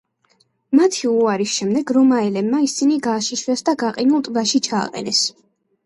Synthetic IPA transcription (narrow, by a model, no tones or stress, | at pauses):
mat̪ʰiuaɾisʃɛmd̪ɛɡɾɔmaɛlɛbmaisiniɡaːʃiʃwɛsd̪aɡaqʼinulˠt̪ʼvaʃit͡ʃʰa̰ːqʼɛ̰nɛs